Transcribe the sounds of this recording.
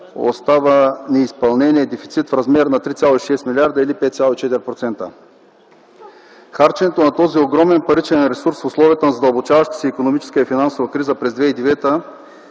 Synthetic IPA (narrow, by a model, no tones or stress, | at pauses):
o̰st̪avənɛispɐlˠnɛniɛd̪ɛfit̪sit̪fɾɐzmɛɾnɐt̪ɾit̪sʲalˠoiʃɛst̪milʲaɾd̪əilipɛt̪sʲalˠoit͡ʃɛt̪ɛɾʲpɾot̪sɛnt̪ə̰ | xaɾt͡ʃɛnɛt̪onat̪ɔzioɡɾɔmɛnpɐɾit͡ʃɛnɾɛsuɾsfʊslˠɔviət̪ənzɐd̪ɐlˠbot͡ʃavɐʃt̪i̥sɛikonomit͡ʃɛ̥skəifinansovɐkɾizəpɾɛzd̪vɛid̪ɛvɛt̪ə